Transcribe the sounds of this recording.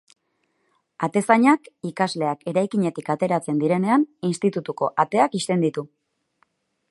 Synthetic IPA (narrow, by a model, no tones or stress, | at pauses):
at̪e̞saɲakikazle̞ake̞ɾajkiɲe̞t̪ikat̪e̞ɾat͡se̞nd̪iɾe̞ne̞aninst̪it̪ut̪uko̞ʔat̪e̞akist̪e̞nd̪it̪u